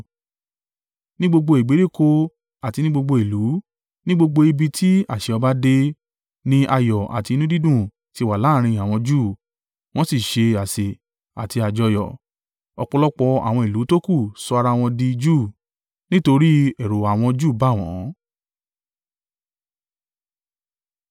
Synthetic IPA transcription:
nĩ˦ɡ͡bo˧ɡ͡bo˧e˨ɡ͡be˨˦ɾi˦˨ko˧ | a˨ti˧nĩ˦ɡ͡bo˧ɡ͡bo˧e˨lu˨˦ | nĩ˦ɡ͡bo˧ɡ͡bo˧i˧bi˧tʰi˦a˦˨ʃɛ˧ɔ˧ba˦de˧ | nĩ˦ʔa˧jɔ˨a̰˨ti˧nũ˦di˦dũ˦˨ | ti˧wa˨la˨˦ɾ̃ĩ˧a˨w̃ɔ̃˧d͡ʒuː˦˨ | w̃ɔ̃˦si˦˨ʃe˧a˨se˨ | a˨ti˧a˨d͡ʒɔ˧jɔ̰˨ | ɔ˧k͡pɔ˧lɔ˦k͡pɔ˧a̰˨w̃ɔ̃˧i˨lu˨˦to˦ku˦˨sɔ˧a˧ɾa˧˦w̃ɔ̃˧di˧d͡ʒu˦˨ | nĩ˦to˧ɾi˦ɛ˨ɾo˨a˨w̃ɔ̃˧d͡ʒuː˦˨ba˦˨w̃ɔ̰̃˨˦

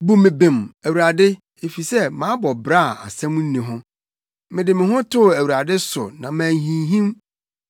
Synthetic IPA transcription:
bu˨mɪ̃˨bẽ˨mæ˨wu˨ɾa˨dɪ˦ | e˨fi˨sɛ˦mã˨˦bɔ˨bɾa˦˨a̰˨sɛ̃˦m˦n̩˦nĩ˨ɦʊ̃˦ | mɪ̃˨dɪ˨mɪ̃˨ɦʊ̃˦tʰʊ˦˨æ˨wu˨ɾa˨dɪ˦sʊ̰˨nã˨mæ̃ː˨ɦĩ˨ɦĩ˦m

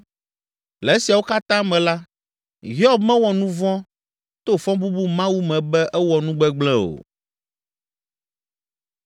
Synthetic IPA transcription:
lɛ˨e˦si˨a˨wo˦ka˦t̪ã˦mɛ̃˨la˦ | ɦi˦ɔ˦bmɛ̃˦wɔ˨nũ˦vɔ̃˦ | t̪o˦fɔ̃˦bu˦bu˦mã˦wu˦mɛ̃˨bɛ˦ʔɛ˦wɔ˨nũ˦ɡ͡bɛ˦ɡ͡blɛ̃˦o̰˨

